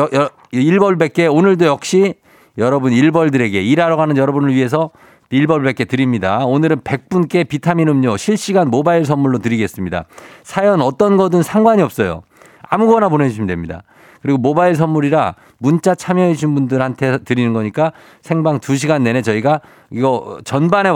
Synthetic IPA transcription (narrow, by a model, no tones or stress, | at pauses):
iɭbʌɭbe̞k͈̚e̞onɯɭdojʌk̚ɕ͈i | jʌɾʌbuniɭbʌɭdɯɾe̞ɡe̞iɾaɾʌɡanɯnjʌɾʌbunɯɭɥiɦe̞s̬ʰʌ | iɭbʌɭbe̞k͈e̞tɯɾimɲidaonɯɾɯnpe̞k̚p͈unk͈e̞pitʰaminɯmɲoɕʰiɭɕ͈iɡanmobaiɭs̬ʰʌmmuɭːotɯɾiɡe̞s͈ɯmɲida̰sʰajʌnʌt͈ʌnɡʌdɯnsʰaŋɡwaɲiʌp̚s͈ʌjo̰ | a̰muɡʌnapone̞d͡ʑʰimidwemɲida̰ | kɯɾiɡomobaiɭs̬ʰʌnːuɾiɾa | munt͡ɕ͈at͡ɕʰamjʌɦeɕ̬ʰinbundɯɾhantʰe̞tɯɾinɯnɡʌɲik͈a | sʰe̞ŋbaŋtuɕ̬ʰiɡanːe̞ne̞t͡ɕʌiɡa | iɡʌt͡ɕʌnbane̞